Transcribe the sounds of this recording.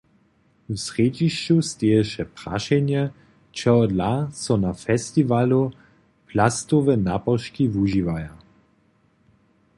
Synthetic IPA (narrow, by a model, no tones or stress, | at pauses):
usʁed͡ʒiʃt͡ʃust̪eɛʃɛpʁ̥a̰ʃɛnjɛ | t͡ʃɛɔdlasɔnafɛst̪ivalu | plast̪ovɛnapɔʃkivuʒivaja